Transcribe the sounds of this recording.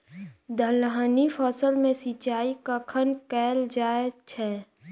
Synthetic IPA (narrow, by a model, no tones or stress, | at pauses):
d̪ʱəlɦanifʰɔːsəlmẽsit͡ʃaːikəkʰənkɛːld͡ʒaːet͡ʃʰɛː